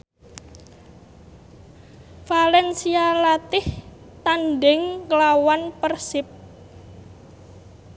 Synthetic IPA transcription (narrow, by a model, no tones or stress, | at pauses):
falɛnsialat̪ɪh | t̪anɖɪŋkəlawanpərsɪp̚